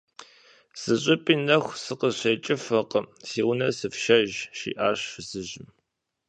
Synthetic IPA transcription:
z̥ɨɕʼɪpʼiːnɐxʷsɨqəzɕɐjt͡ʃʼɪfɐqʼəsiːwʊnɐsɨfʃɐʒʃḭːʔaːɕfzɨʑɪm

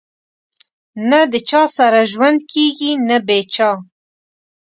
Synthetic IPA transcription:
nad̪ət͡ʃʰɑːsaɾaʒwand̪kʰiːɡinabeːt͡ʃʰɑː

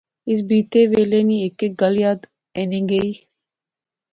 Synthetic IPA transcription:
ɪs̬biːt̪eːʋeːleːniːekek̚ɡəljaːd̪ | enĩːɡeiː

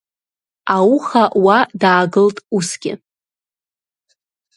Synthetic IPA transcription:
awχaʔwadaːɡɨltʼusɡʲɪ̰

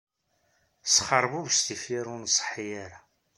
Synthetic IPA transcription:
sχəɾˤbuvst̪ifiɾunsˤə̥ħijaɾa

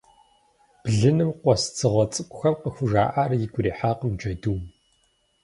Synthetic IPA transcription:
b̥ɮɨnɨmqʷɔst͡sʰɨʁʷɔt͡sʼɨkʷʼʊxɐmqəxʷʊʒa̰ːʔaːrjɪɡʷʊɾiːħaːqəmd͡ʒɐduːn

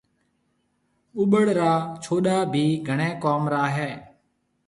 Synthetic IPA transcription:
ʊɓəɽɾaːt͡ʃʰoːɗaːbʱiːɡʱəɳẽːkoːmɾaːɦeː

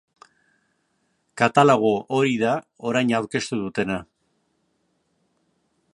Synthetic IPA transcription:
kat̪aloɣ̞oʔo̞ɾiðao̞ɾajɲawɾke̞st̪uðut̪e̞na

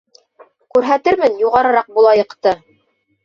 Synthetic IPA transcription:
kʉɾɦæt̪ɘɾmɘnjuʁɑɾɤ̆ɾɑq̚bulˠɑjɤ̆qt̪ɤ

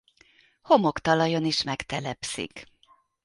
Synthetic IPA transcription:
ho̞mokt̪ɒlɒjoniʃmɛkt̪ɛlɛpsḭk

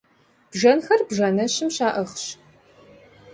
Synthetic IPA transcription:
b̥ʒɐnxɐrbʒɐnɐɕɪmɕaːʔɐχɕ

